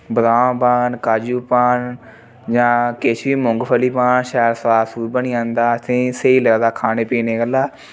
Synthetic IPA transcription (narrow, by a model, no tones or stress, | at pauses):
bɾaːbaːnkaːd͡ʒuːpaːn | d͡ʒãːkeːt͡ʃʰiːmʊ̃ŋɡpʰəliːpaːnʃɛːɾsaːsuːbəniːãːnd̪aːt̪ʰẽːseːiːləd̪aːkʰaːneːpiːneːɡəlaː